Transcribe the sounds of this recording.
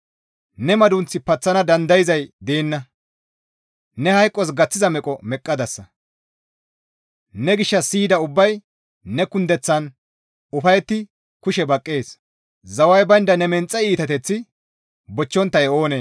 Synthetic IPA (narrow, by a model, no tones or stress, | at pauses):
nɛmɐd̪ʊnt͡sːɪpɐt͡sːɐnɐd̪ɐnd̪ɐjɪzɐjd̪eːnːɐ | nɛhɐjkʼːɔs̬ɡɐt͡sːɪzɐmɛkʼɔmɛkʼːɐd̪ɐsːɐ | nɛɡɪʃːɐsiːd̪ɐʊbːɐj | nɛkʊnd̪ɛt͡sːɐn | ʊfɐjɛt̪ːɪ | kʊʃɛbɐkʼːeːs | zɐwɐjbɐjnd̪ɐnɛmɛnt͡sʼːɐiːt̪ɐt̪ɛt͡sːɪ | bɔt͡ʃːɔnt̪ːɐjo̞ːneː